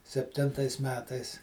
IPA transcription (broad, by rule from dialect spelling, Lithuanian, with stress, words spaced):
sʲɛpʲˈtʲɪntɐɪs ˈmʲæːtɐɪs